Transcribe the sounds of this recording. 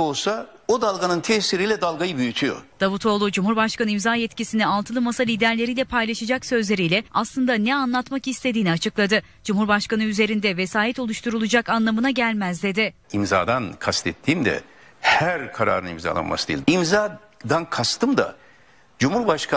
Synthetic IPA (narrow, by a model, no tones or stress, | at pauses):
olˠsa | od̪alˠɡanɯnt̪ʰɛsiɾijːlʲɛd̪alˠɡajɯbyjyt̪ʰyjo̰d̪̥avut̪ʰo̞lˠud͡ʒumhuɾbaʃkanɯimzaːjɛt̪cisinialˠt̪ʰɯlˠɯmasalʲiːd̪æɾlʲe̞ɾijlʲɛpʰajlˠaʃad͡ʒaksø̞zlʲe̞ɾijlʲɛaslˠɯnd̪anɛanlˠat̪makist̪ʰe̞d̪iːniat͡ʃʰɯklˠad̪ɯ | d͡ʒumhuɾbaʃkanɯyze̞ɾind̪ɛvesaːjɛt̪o̞lˠuʃt̪ʰuɾulˠud͡ʒakanlˠamɯnaɟælʲmæzd̪e̞d̪ɪimza̰ːd̪ankʰast̪ʰɛt̪ʰːiːmd̪ɛ̰ | hæɾkʰaɾa̰ːɾɯnḭmza̰lˠa̰nmasɯd̪ḛjilʲimza | d̪ankʰast̪ʰɯmd̪a̰ | d͡ʒumhuɾbaʃkʰa